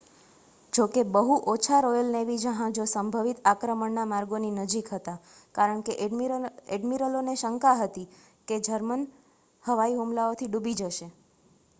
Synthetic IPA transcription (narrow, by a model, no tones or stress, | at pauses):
d͡ʒokebəɦuʔot͡ʃʰaɾojəlneʋid͡ʒəɦãd͡ʒosəmbʱəʋit̪akɾəməɳnamaɾɡoninəd͡ʒikɦət̪a | kaɾəɳkeʔeɖmiɾəloneʃəŋkaɦət̪i | ked͡ʒəɾmən | həʋaiɦumlaot̪ʰiɖubid͡ʒəʃe